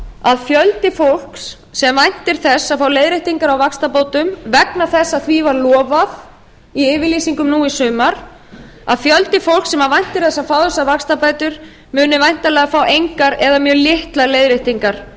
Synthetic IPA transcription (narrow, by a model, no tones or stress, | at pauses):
aðfjœlt̪ɪfowl̥ks | sɛmvajn̥t̪ɪɾ̥θɛsːaðfaːwleːjðɾɪjht̪iŋkaɾawvakst̪apoːwt̪ʏmvɛknaθɛsːaðθvivaɾlɔːvaf | iɪːvɪliːsiŋkʏmnuːisʏːmaɾ̥ | a̰ðfjœlt̪ɪfowl̥ksɛmavajn̥t̪ɪɾ̥θɛsːaðfaːwθɛsːavakst̪apaːjt̪ʏɾ | mʏːnʏvajn̥t̪alɛːɣafaːwejŋkaɾɛðamjœːɾlɪht̪laɾleːjðɾejht̪iŋkaɾ̥